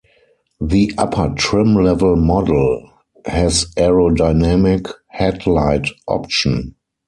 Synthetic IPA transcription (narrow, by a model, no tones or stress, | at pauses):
ðiʔapʰətʰɹɪ̃mlɛvəlmɔdl | hɛzɛɹodaɪnɛmɪkhɛtlaɪtʔɔ̰p̚ʃə̃n